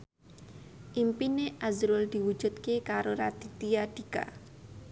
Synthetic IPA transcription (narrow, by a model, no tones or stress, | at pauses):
ʔimpineʔazɾʊld̪̥i̤wud̥ʒ̥ṳt̪̚kekaɾoɾat̪it̪iaɖ̪̥i̤ka̰